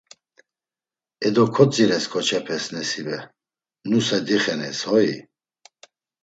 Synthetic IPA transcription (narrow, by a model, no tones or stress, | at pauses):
ɛd̪ɔkʰɔt͡sʼiɾɛskʰɔt͡ʃʰɛpʰɛsnɛsibɛ | nusɛd̪iχɛnɛshɔi